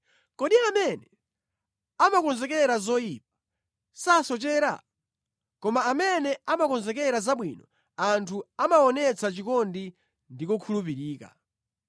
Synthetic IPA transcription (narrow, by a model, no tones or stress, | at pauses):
kɔɗiamɛnɛ | amakɔnzɛkɛɾazɔjip̚ḁ | sasɔt͡ʃɛːɾa̰ | kɔmaːmɛnɛamakɔnzɛkɛɾazaɓwinɔ | antʰuamaɔnɛt͡sʰat͡ʃikɔndi | ndikɔkʰulup̬iɾiːka̰